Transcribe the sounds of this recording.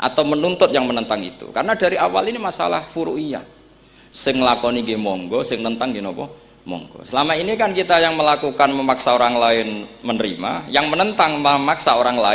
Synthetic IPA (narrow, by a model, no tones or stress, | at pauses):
ʔa̰t̪awmənunt̪ʊt̪̚jaŋmənənt̪aŋḭt̪ṵkaɾənadaɾiʔawa̰linimasa̰la̰hfuɾṵʔija̰ | sɪŋlakɔniɡimɔŋɡɔsɪŋt̪ənt̪aŋɡinopɔ | mɔ̰ŋɡɔ̰səlamainikankit̪ajaŋməlakukanməmaksaoɾaŋlaɪnmənəɾima̰jaŋmənənt̪aŋməmaksaoɾaŋla